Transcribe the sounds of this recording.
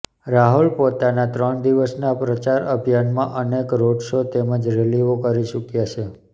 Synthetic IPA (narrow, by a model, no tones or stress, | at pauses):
ɾaɦulpot̪anat̪ɾəɳd̪iʋəsnapɾət͡ʃaɾəbʱjanmãʔənekɾoɖʃot̪eməd͡ʒɾeliʋokəɾiʃukjat͡ʃʰe